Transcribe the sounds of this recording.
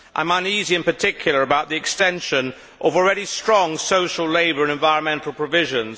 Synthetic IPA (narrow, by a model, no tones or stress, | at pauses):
ʔã̰ɪ̃mə̃niziɨ̃npə˞tʰɪkʰjl̩ˠə˞əbaʊʔ̪ðiɨkstɛ̃nʃə̃n | ʔəvl̩ˠɹɛɾistɹ̥ɔ̃ŋsoʊʃəl̩ˠleɪbə˞ə̃nɛ̃ɱvaɪɹə̃nmɛ̃ntʰˡl̩ˠpʰɹ̥əvɪʒə̃nz̥